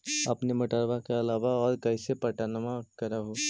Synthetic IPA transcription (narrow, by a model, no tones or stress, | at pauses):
ɐpnemɐʈəɾʋakeɐlaːʋaɔːɾkɐɪsepɐɾʈaːnəmakɐɾaɦoː